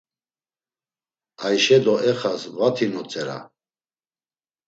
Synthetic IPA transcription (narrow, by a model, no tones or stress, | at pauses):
ajʃɛd̪ɔɛχasvat̪ʰinɔt͡sʼɛɾa̰